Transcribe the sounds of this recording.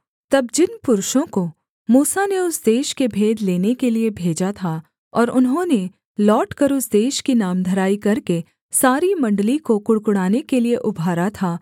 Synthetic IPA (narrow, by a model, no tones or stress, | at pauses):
t̪ɐbd͡ʒɪnpʊɾʊʃõko | muːsaneʊsd̪eːʃkebʱeːd̪leːnekeliebʱeːd͡ʒat̪ʰa | ɔːɾʊnɦõne | lɔːʈkɐɾʊsd̪eːʃkinaːmd̪ʱɐɾaːikɐɾke | saːɾimɐ̃ɳɖlikokʊɽkʊɽaːnekelieʔʊbʱaːɾat̪ʰaː